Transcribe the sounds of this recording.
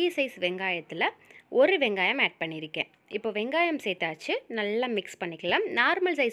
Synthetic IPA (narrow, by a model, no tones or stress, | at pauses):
iːsɐɪsʋɛŋɡaːjɐt̪ːɪlɐʔɔɾɯʋɛŋɡaːjɐmeːʈ̚pɐɳːɪɾɯkːḛ̃ː | ɪpːoːʋɛŋɡaːjɐmsɛjt̪ːaːt͡ʃːɯnɐlːaːmɪkspɐɳːɪkːɐlaːmnaːɾmɐlsɐɪs